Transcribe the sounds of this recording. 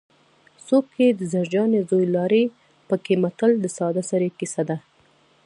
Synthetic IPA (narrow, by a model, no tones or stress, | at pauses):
sok̚ked̪əzaɾd͡ʒɑnezojlɑɾe | pəkemat̪əld̪əsɑd̪asaɾekisad̪a